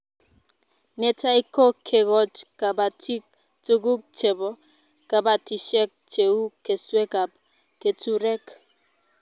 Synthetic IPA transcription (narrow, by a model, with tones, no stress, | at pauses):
ne˨ta˦i˦ko˦kʰe˨ɡɔ˦t͡ʃka˨ba˨ti˦ | tu˦ɡu˦k̚t͡ʃe˨bɔ˦ | ka˨ba˨ti˨ʃɛ˦k̚t͡ʃe˨u˦ke˨swe˦ka˨p̚ | ke˨tu˦ɾɛ˦k